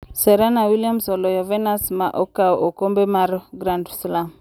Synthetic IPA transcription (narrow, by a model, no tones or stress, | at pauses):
sɛɾanawiliamsɔlɔjɔvɛnasmaʔɔkaoʔokombɛmaɾɡɾandslam